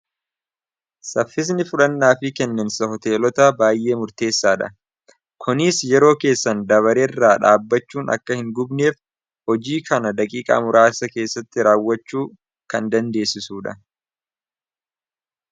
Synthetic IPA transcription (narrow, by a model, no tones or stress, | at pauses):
sɐfːɪs̬nɪfʊlɐnːaːfɪkɛnːɐnsɐɦɔt̪e̞ːlɔt̪aːbaːjʔe̞ːmʊɾt̪e̞ːsːaːᶑɐ̰ | kʰʊnɪsjɛɾo̞ːke̞ːsːɐnd̪ɐβɐɾeːrːaːᶑaːbːɐt͡ʃːuːnɐ̰kːɐhɪŋɡʊbne̞ːf | hɔd͡ʒiːkʰɐnɐd̪ɐkʼiːkʼɐ̰ːmʊɾʔaːsɐke̞ːsːɐt̪ːɪɾaːwːɐt͡ʃːuː | kɐnd̪ɐnd̪e̞ːsːɪsuːᶑɐ